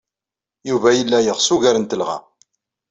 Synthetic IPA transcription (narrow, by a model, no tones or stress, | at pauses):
juvæjəlːæjəʁsuʝæɾənt̪əlʁæ̰